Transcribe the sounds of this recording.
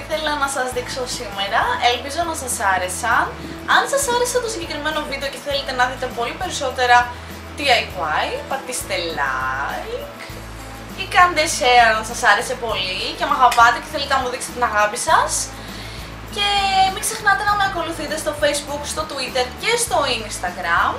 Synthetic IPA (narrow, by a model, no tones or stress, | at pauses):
iθe̞lɐnɐsɐzðikso̞sime̞ɾɐelpizo̞nɐsɐsɐɾe̞sɐ | ɐnsɐsɐɾe̞seɐt̪o̞siɲɟe̞kɾime̞no̞vid̪eo̞ce̞θelet̪e̞nɐðit̪e̞po̞lipe̞ɾiso̞t̪e̞ɾɐ | t̪iɐjpajpɐkt̪ist̪e̞lɐjk | ikɐnd̪eseɐnsɐsɐɾe̞se̞po̞lice̞mɐɣɐpɐt̪eceθe̞let̪enɐmuðikse̥t̪enɐɣɐpisɐs | ce̞mikse̞xnɐt̪e̞nɐme̞ɐko̞luθit̪e̞st̪o̞fejzbukst̪o̞t̪uit̪e̞ɾce̞st̪o̞inst̪ɐɡɾɐm